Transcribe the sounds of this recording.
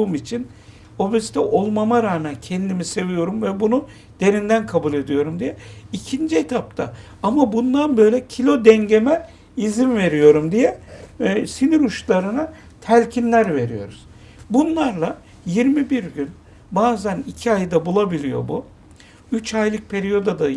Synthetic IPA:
uːmit͡ʃʰin | o̞besi̥t̪ʰɛʔo̞lˠmamaɾaːmæncʰɛnd̪imise̞vijo̞ɾumvɛbunu | d̪̥e̞ɾind̪ænkʰabulʲe̞d̪ijo̞ɾumd̪ijɛicʰind͡ʒiet̪ʰap̚t̪ʰa̰ | amabund̪anbø̞jlʲɛcʰilʲo̞d̪ɛɲɟe̞mɛ | izinve̞ɾijo̞ɾumd̪ijɛ | siniɾuʃlˠaɾɯna | t̪ʰælʲcʰinlʲæɾve̞ɾḭjo̞̰ɾuz̥ | bunlˠaɾlˠa | jiɾmibiɾɟyn | baːzænicʰiajd̪abulˠabilʲijo̞̰bu | yt͡ʃʰajlˠɯk̚pʰe̞ɾijo̞d̪ad̪a

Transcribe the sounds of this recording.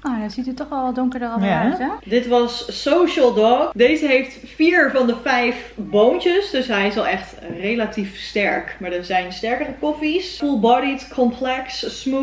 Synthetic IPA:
odasitytɔxʋɛlˠʋɔdʊŋkəɹdəraɛdɪtʋɑsːowʃəlˠdɔkdeːzəɦejftfiːɹvɑndəfɛjfboːntəsdøsɦɛjɪsɔlˠɛxtrelatifstɛɹkmaːɹdənzɛjnstɛɹkərəkofisfulˠbɑɾitkʰɔmpʰlɛkssmu

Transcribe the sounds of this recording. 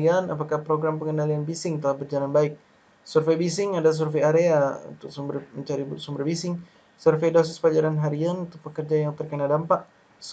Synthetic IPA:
ianapakahpɾoɡɾampəŋənalianbisɪŋt̪əlahbərd͡ʒalanbaɪk̚ | surfebis̬ɪŋadas̬urfeaɾeaṵnt̪ʊk̚sumbərməɲt͡ʃaɾisumbərbisɪŋ | surfejdas̬ɪspaɲd͡ʒaɾanɦaɾianunt̪ʊpəkərd͡ʒajaŋt̪ərkənadampaʔ | s

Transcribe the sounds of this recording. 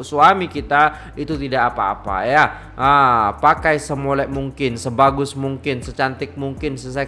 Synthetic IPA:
suamikit̪a | it̪ut̪idakːpa̰ːpa̰ja | ʔəpakajsəmolɛʔmuŋkɪnsəbaɡʊsmuŋkɪnsət͡ʃant̪ɪk̚muŋkɪnsəs̬ɛ

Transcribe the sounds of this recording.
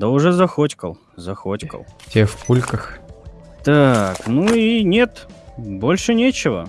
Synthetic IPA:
d̪əʊʐɛzɐxotʲkə̰lˠ | zɐxotʲkə̰lˠtʲefkulʲkəx | t̪aknuinʲet̪bolʲʂɨnʲet͡ɕɪvə̰

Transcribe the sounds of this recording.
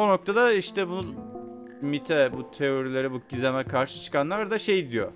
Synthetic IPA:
ono̞k̚t̪ʰad̪aiʃt̪ʰɛbunun | mit̪ʰɛbut̪ʰeo̞ɾilʲe̞ɾibuɟizʲemɛkʰaɾʃɯ̥t͡ʃʰɯ̥kʰanlˠaɾd̪aʃe̞jd̪ijo̰

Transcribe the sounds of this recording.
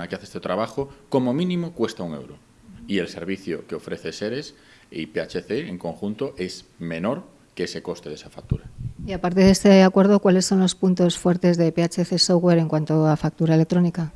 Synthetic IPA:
akeaθest̪et̪ɾaβ̞axoko̞momĩnĩmokwe̞st̪auŋe̞̰wɾo | ielse̞̰ɾβ̞iθjokeo̞fɾe̞θe̞seɾes | ipeat͡ʃeθeːŋko̞ŋxunt̪oʔe̞z | me̞noɾ | kese̞ko̞st̪eðe̞safak̚t̪uɾaiapaɾt̪e̞ðe̞st̪eakwe̞ɾð̞okwale̞sːo̞nlo̞spunt̪o̞sfwe̞ɾt̪e̞zðe̞peat͡ʃeθesoɣwe̞ɾe̞ŋkwant̪oafak̚t̪uɾaele̞k̚t̪ɾo̞nika

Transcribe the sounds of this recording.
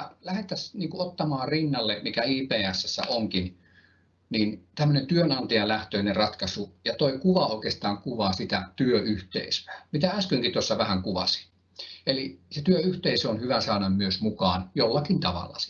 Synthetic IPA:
læhet̪ːˑæsniːŋkuot̪ːɑmɑːrinːɑlːemikæiːpeːæsːæsːæ̰ʔoŋkin | niːnt̪æmːønent̪yønɑnt̪ɑjɑlæht̪øinerɑt̪kɑsujɑt̪oikuʋɑoˑikest̪ɑːŋkuʋɑːsit̪æt̪yøʔyht̪ḛisø̥æmit̪ææskyŋkit̪osːɑʋæhæŋkuʋɑ̰si̥ | eliset̪yøyht̪eisøonhyʋæsɑːnɑmmyøsmukɑːnjolːɑkint̪ɑʋɑ̰lːɑ̰

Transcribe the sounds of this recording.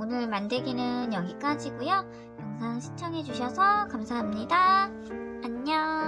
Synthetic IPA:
onɯɭmandeɡinɯnjʌɡik͈ad͡ʑiɡujo | kaŋsʰaŋɕʰi̥t͡ɕʰʌŋɦe̞d͡ʑuɕʰʌsʰʌkamsʰaɦamɲida | aɲːʌ

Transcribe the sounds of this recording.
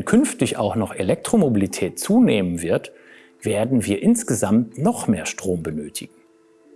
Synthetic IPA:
nkʰʏnftɪça̰ʊxnɔχelɛk̚tʁ̥omobilitʰɛːt̚t͡suːneːmənvɪɐt | v̥eːɐdn̩viːɐʔɪnsɡ̥əzamtnɔχmeːɐʃtʁ̥oːmbənøːtʰɪɡŋ̩

